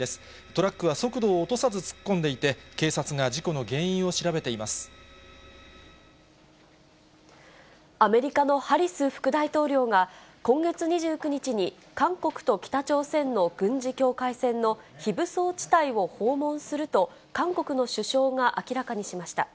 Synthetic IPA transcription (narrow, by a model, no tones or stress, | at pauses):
esɨ̥ | t̪o̞ɾakːɯ̟βaso̞kɯ̟d̪o̞ːt̪o̞sazɨt͡sɨ̥kːõ̞nd̪e̞it̪e̞ke̞ːsat͡sɨŋaʑiko̞no̞ɡẽ̞ɰ̃ĩɰ̃o̞ɕiɾabe̞t̪e̞imasɨ̥ | ame̞ɾʲikano̞haɾʲisɨːɸɯ̟̥kɯ̟d̪ait̪o̞ːɾʲo̞ːŋakõ̞ŋɡe̞t͡sɨɲ̟iʑɨːkɯ̟ɲ̟it͡ɕiɲ̟i | kãŋko̞kɯ̟̥t̪o̞kʲi̥t̪at͡ɕo̞ːsẽ̞nːo̞ɡ̥ɯ̟̃ɲ̟d͡ʑikʲo̞ːkaisẽ̞nːo̞çibɯ̟so̞ːt͡ɕi̥t̪aiβo̞ho̞ːmõ̞ɰ̃sɨɾɯ̟t̪o̞ | kãŋko̞kɯ̟no̞ɕɨɕo̞ːŋaʔakʲiɾakaɲ̟iɕimaɕi̥t̪a